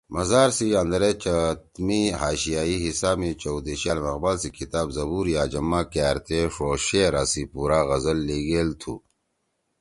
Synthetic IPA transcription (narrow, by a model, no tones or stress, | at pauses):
mɐzaːɾsiɐnd̪ɾet͡ɕɐt̪miɦaːɕijaːiɦisaːmit͡ɕowd̪iɕaːlmɐɣbaːlsikit̪aːbzɐbuːɾjaːd͡ʑɐmːakaːɾt̪eʂoːɕeɾaːsipuːɾaːɣɐzɐlːeːɡeːlt̪ʰṵː